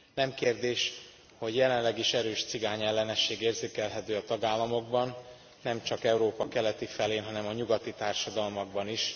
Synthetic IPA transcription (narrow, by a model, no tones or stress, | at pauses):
nɛmkeːrd̪eːʃ | ho̞ɟjɛlɛnlɛɡiʃɛɾøːʃt̪siɡaːɲɛlːɛnɛʃːeːɡeːrzeːkɛlɦɛt̪øːɒt̪ɒɡaːlːɒmo̞ɡ̚bɒnː | ɛmt͡ʃɒkɛuɾoːpɒkɛlɛt̪ifɛleːnɦɒnɛmɒɲuɡɒt̪it̪aːrʃɒd̪ɒlmɒɡ̚bɒniʃ